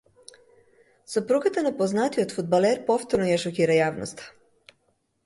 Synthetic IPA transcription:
supɾuɡat̪anapoznat̪iot̪fud̪̚baleɾpo̞ft̪oɾnojeʃokiːɾajaːʋno̰st̪

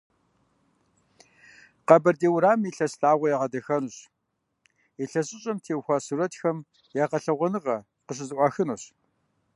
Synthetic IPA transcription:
qɐbɐrdeːwɾaːmiːɬɐsɬaːʁʷɐjaʁɐdɐxɐnɨɕ | iɬɐɕʼɪɕʼɐmtʰeːwxʷasuɾɐtxɐm | jaːqɐɬɐʁʷɔnɨʁɐ | qəɕ̬ɪzɨʔʷɑːxɨnoɕ

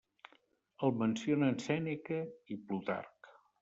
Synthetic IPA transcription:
əlˠmənsionəːnsɛnikəiplut̪a̰rk

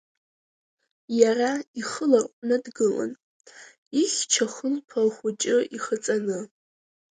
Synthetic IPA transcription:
jaraiχəlarqʷʼnɨdɡɨla̰n | iχʲt͡ʃʰaχəlpʰalχʷʊt͡ʃʼɪiχət͡sʼanɨ

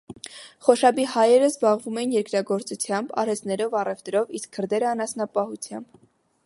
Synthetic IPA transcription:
χɔʃɑbihɑjɛɾəzbɑʁvumɛjinjɛɾkɾɑɡɔɾt͡sut͡sʰjɑmbɑ̰ɾɛst̪nɛɾɔvɑrɛvt̪ɾɔviskkʰːəɾd̪ɛɾəɑnɑsnɑpɑhut͡sʰjɑ̰mb̥

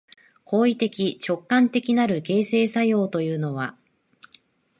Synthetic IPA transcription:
kʰo̞ːit̪e̞kʲit͡ɕo̞kːãnt̪e̞kʲinaɾɯ̟ke̞ːse̞ːsajo̞ːt̪o̞jɯ̟ːno̞βa̰

